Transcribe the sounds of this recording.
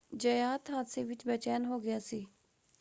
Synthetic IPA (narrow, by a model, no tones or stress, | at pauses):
d͡ʒəjaːt̪ɦaːt̪seːʋɪt͡ʃbɛt͡ʃɛːnɦoːɡɪjaːsiː